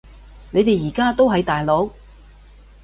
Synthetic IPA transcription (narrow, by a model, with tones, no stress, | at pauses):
ne˨˧jt̪e˨jjiː˨˩kaː˥t̪o˥wɦɐ˨˧jt̪aː˨jlo˨˥w